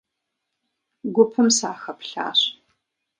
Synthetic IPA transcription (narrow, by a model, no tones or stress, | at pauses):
ɡʷʊpʰɨmsaːxɐpɬa̰ːɕ